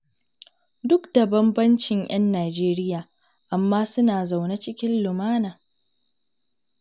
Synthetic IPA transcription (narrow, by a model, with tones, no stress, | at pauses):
dʊ˦kda˨bɐ˦mbɐ˦nt͡ʃɪ˨ŋjʔɐ˦nːaː˨d͡ʒeː˦ɾɪ˦jaː˨ | ʔa˨mːaː˦sʊ˦naː˨za˨wna˦t͡ʃɪ˦kʲɪ˦nlʊ˨maː˦naː˨